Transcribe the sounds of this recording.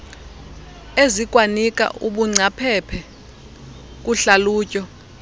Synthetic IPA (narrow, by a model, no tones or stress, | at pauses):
ezikʼwanikʼa̰ʔuɓuŋ͡ǀʱapʰɛpʰɛ | k̬ʼuɬaluːcʼɔ